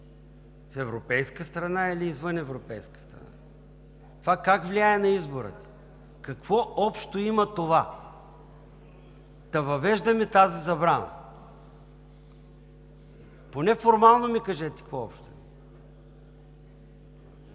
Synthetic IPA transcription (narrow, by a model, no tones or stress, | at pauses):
fɛvɾopɛjskəst̪ɾɐnaɛliːzvɤnɛvɾopɛjskə̥st̪ɾɐ̰na̰ | t̪ovakakvlʲiaɛnɐizboɾə̰t̪ə̥ | kɐkvɔɔpʃt̪oimɐt̪ova | d̪̥ɐvɐvɛʒd̪ɐmɛt̪azizɐbɾanə̰ | ponɛfoɾmalˠnomikɐʒɛt̪ɛ̥kkvɔɔpʃt̪oɛ